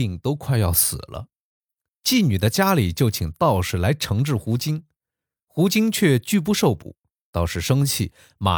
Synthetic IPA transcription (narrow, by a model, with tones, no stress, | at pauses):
i˥˩ŋt̪o˥ʊkʰwa˥˧ɪjɑ˥˩ʊsɹ̩̰˨˩lə̰˦ | t͡ɕi˥˩ny˨˩d̪ə˦t͡ɕja˥li˨˩t͡ɕjo˥˩ʊt͡ɕʰi˨˩ŋt̪ɑ˥˧˩ʊʂɻ̩˥˩la˧˥ɪʈ͡ʂʰɤ˧˥ŋʈ͡ʂɻ̩˥˩xu˧˥t͡ɕi˥n | xu˧˥t͡ɕi˥ŋt͡ɕʰɥɛ˥˧t͡ɕy˥˧p̬u˥˧ʂo˥˩ʊpṵ˨˩˦ | t̪ɑ˥˧ʊʂɻ̩˥˩ʂɤ˥ŋt͡ɕʰi˥˩ | ma̰˨˩